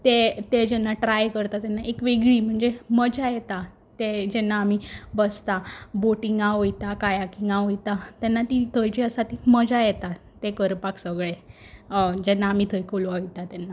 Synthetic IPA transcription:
t̪et̪ed͡ʑɛnːaʈɾajkəɾt̪at̪ɛnːaʔekʋeɡɭiːm̤əɳd͡zeməd͡ʑajɛt̪a | t̪ed͡ʑɛnːaːmibəst̪aboʈiŋɡãɦojt̪akajakiŋɡaɦojt̪at̪ɛnːat̪it̪ʰəjt͡ɕeəsat̪iməd͡zajɛt̪a | t̪ekəɾpaksəɡɭe | d͡ʑɛnːaːmit̪ʰəjkoloait̪at̪ɛnːa

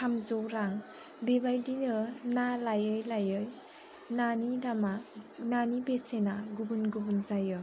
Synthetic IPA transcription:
kʰamzowɾaŋ | bebajdinɯnalajɯjlajɯj | nanidamananibesenaɡubunɡubunzajɯ

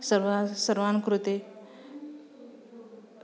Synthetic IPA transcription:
səɾʋsəɾʋankɾut̪e

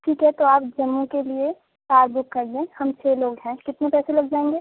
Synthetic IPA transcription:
ʈʰiːkɦɛt̪oaːpd͡ʒɐmːukelie | kaːɾbʊkːɐɾdẽhɐmt͡ʃʰeːloːɡɦɛ̃kɪt̪nepɛːselɐɡ̚d͡ʒaːẽːŋɡeː

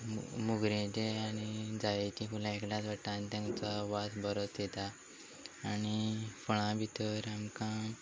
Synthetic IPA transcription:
muɡɾẽd͡ʑeanid͡zajekĩfulãekljãt͡sʋaʈːãnt̪jãt͡saʋasbəɾot͡sjet̪aː | nifəɽ̃ãbʱit̪əɾamkã

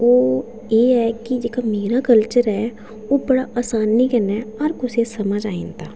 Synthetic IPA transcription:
oː | eːɛːkɪd͡ʒeːkaːmeːɾaːkəlt͡ʃəɾɛː | oːbəɽaːʔaːsaːnːiːkənɛːɔɾkʊseːsəməd͡ʒaːḭːnt̪aː

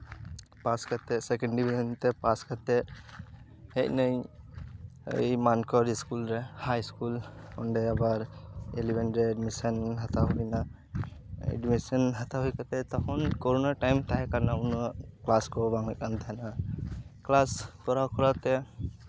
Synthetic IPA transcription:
paskat̪ɛsɛkɛɳɖɖibʱisɔnt̪ɛpaskat̪ɛ | hɛc̚nəj | ə̰jmankɔɾiskulɾɛhajskulɔɳɖɛabaɾelibɛnɾɛːɖmisənɦat̪aɦɔina | ɛ̰ɖmisənɦat̪aɦujkat̪ɛt̪ɔkʰɔnkɔɾunaʈajmt̪aɦɛkaɾnaunɔklaskɔbaŋlɛkant̪ʰana | klaskɔɾawkɔɾat̪ɛ

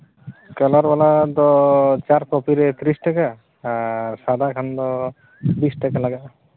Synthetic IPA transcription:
kalaɾbalad̪ɔt͡ʃaɾkɔpiɾɛt̪ʰɾisʈaka | sad̪akʰand̪ɔ | bisʈakalaɡaʔ

